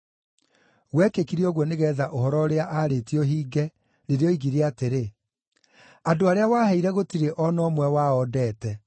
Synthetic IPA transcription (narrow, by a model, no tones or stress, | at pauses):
ɣwɛkekiɾiɔɣwɔneɣɛːðaʔohɔɾɔɾeaʔaɾetiɔɦiːɡɛ | ɾeɾeɔiɣiɾeateɾe | adoaɾeawaːhɛiɾɛɣotiɾeʔɔnɔmwɛwaɔdɛːtɛ